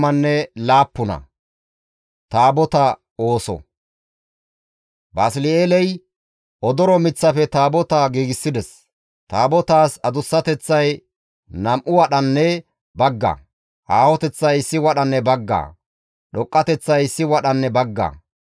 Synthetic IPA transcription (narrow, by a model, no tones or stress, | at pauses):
mɐnːɛlaːpːʊnɐ̰ | t̪aːbɔt̪ɐ | o̞ːsɔ̰ | bɐslɪeːlɛj | ʔɔd̪ɔɾɔmɪt͡sːɐfɛt̪aːbɔt̪ɐɡiːɡɪsːɪd̪ɛs | t̪aːbɔt̪aːsɐd̪ʊsːɐt̪ɛt͡sːɐj | nɐmʔʊwɐɗɐnːɛ | bɐɡːɐ̰ | ʔaːhɔt̪ɛt͡sːɐjɪsːɪwɐɗɐnːɛbɐɡːa̰ː | ɗɔkʼːɐt̪ɛt͡sːɐjɪsːɪwɐɗɐnːɛbɐɡːɐ̰